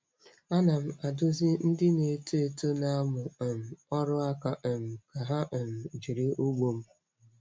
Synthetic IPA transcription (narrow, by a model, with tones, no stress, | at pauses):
a˦na˨m̩˦a˨dʊ˦zɪ˦n̩˦dɪ˦ne˨˦te˦˨to˦na˦a˦mʊ˨m̩˨ɔ˦ɾʊ˦a˦ka˦ʔ̩˨m̩˨ka˨ɦa˦ʔ̩˨m̩˨d͡ʒi˨ɾi˦u˦ɡ͡bo˨m̩˦